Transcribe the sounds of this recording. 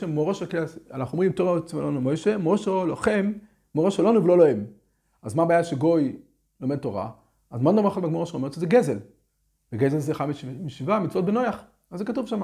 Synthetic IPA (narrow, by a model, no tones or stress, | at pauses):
emoʁoʃokasa̰laχuomʁimt̪oʁot͡smalonumojʃemoʃoloχem | moʁoʃelonuvelo̞loem | azmabaːjaʃeɡo̞j | lomed̚to̞ʁa̰ | azmanlomaχatmaɡmooʃeomet̪ʃezeɡezel | veɡezelzeχammiʃivamit͡svot̪̚beno̞jaχ | azzekatuvʃama